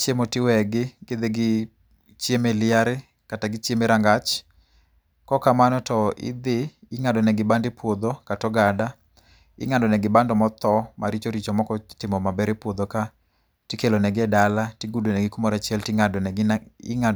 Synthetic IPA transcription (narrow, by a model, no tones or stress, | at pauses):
t͡ʃemotɪwɛɡɪɡɪd̪eɡɪ | t͡ʃjemelɪaɾɪ | kataɡɪt͡ʃjemeɾaŋɡat͡ʃ | kɔkamanɔtɔʔɪ̰d̪ɪː | ŋadɔnɛɡɪbandɪpwod̪okatɔɡada | ɪ̰ŋandɔnɛɡɪbandɔmɔt̪ɔmaɾit͡ʃoɾit͡ʃɔmɔkɔtɪmɔmabɛɾepwod̪oka | tɪkelonɛɡɪɛdalatiɡudonɛɡɪkumɔɾat͡ʃjɛltɪŋa | ɪŋa